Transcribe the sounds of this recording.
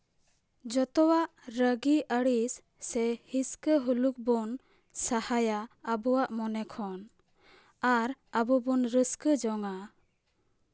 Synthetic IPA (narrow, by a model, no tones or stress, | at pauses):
d͡ʒɔt̪ɔwaʔɾəɡiʔəɽisː | ɛhiskəɦuluk̚bɔn | sahajaəbɔwaʔmɔnɛkʰɔn | aɾəbɔbɔnɾəskəd͡ʒɔŋa